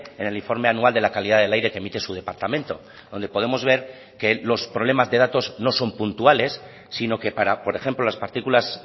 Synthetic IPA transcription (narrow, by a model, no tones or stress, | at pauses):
e̞ne̞liɱfo̞ɾme̞anuald̪e̞lakaliðaðe̞lajɾe̞kemit̪e̞suðe̞paɾt̪amẽnt̪o̞ | ðo̞nd̪e̞po̞ðe̞mo̞zβ̞e̞ɾ | ke̞lo̞spɾolemazðe̞ð̞at̪o̞zno̞so̞mpunt̪uale̞sː | ino̞ke̞paɾapo̞ɾe̞xe̞mplolaspaɾt̪ikulas